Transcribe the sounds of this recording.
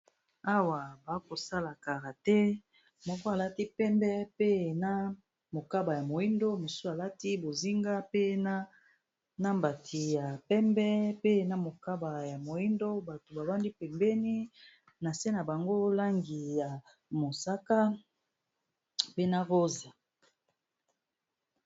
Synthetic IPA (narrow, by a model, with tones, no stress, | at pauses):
a˦wa˨ba˨˦ko˨sa˦la˨ka˨ʁa˨tɛ˦ | mɔ˦ko˦a˨la˦ti˦pɛ˦mbɛ˦pe˦˨na˦ | mo˨ka˦ba˨ja˨mo˨i˦ndo˦mo˨su˦a˨la˦ti˦bo˨zi˦ŋɡa˦pe˦na˦ | na˦mba˨tʰi˨ja˨pɛ˦mbɛ˦pe˦˨na˨mo˨ka˦ba˨ja˨mo˨i˦ndo˦ba˨to˨ba˨ba˦ndi˦pɛ˨mbɛ˦ni˦ | na˨se˦na˨ba˨ŋɡo˦la˦ŋɡi˨ja˨ | mo˨sa˦ka˦ | pe˦na˦ʁo˦za˨